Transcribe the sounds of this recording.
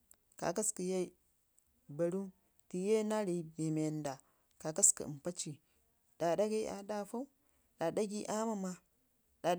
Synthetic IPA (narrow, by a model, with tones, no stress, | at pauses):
ka̰˨ka˦skə˨ja˦ | ba˨ɾu˦ | ti˨je˦na˦ɾe˨˦be˨me˨nda˨ | ka˨ka˦ska̰˨m˨pa˦t͡ʃi˨ | d̥a˨da˦ɡe˦ʔa̰˨da˦fa˦u˦ | ɗa˨da˦ɡi˦ʔa˦ma˨ma˦ | da˨